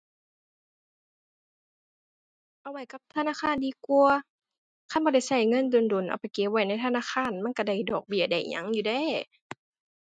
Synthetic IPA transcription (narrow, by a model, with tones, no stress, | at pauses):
ʔa˧˨wa˧˩jka˧˦p̚t̪ʰa˧˨naː˧˥˨xʰaː˧˥˨ndiː˧˦ku˧ɐ | kʰa˧˥˨nbɔː˧ɾa˧˩jsa˧˩jŋɤ˧˥˨ndo˧˨ndo˨˩˦nʔa̰˨˧˩wpa˨˩jke˧˦p̚wa˧˩jna˧˥˩jt̪ʰːnaː˧˥˨xʰaː˧˥˨nma˧˥˨nka˧˩da˧˩jdɔː˨˩k̚bi˧˩əda˧˩jɲa̰˧˦ŋjuː˧dɛː˧˩˨